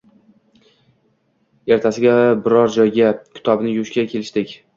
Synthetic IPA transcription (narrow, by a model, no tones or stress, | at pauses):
e̞ɾt̪ʰasɪɡʲabɪɾɒɾd͡ʒɒjɡʲakʲʰɪ̥t̪ʰɒbnɪjʊʃkʲakʲʰe̞lɪʃd̪ɪkʲ